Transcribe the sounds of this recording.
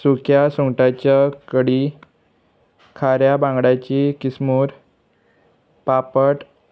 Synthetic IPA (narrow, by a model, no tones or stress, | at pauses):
sukjasuŋʈat͡ɕjakəɽiː | kʰaɾjabãŋɡɽat͡ɕikismuːɾ | papəʈ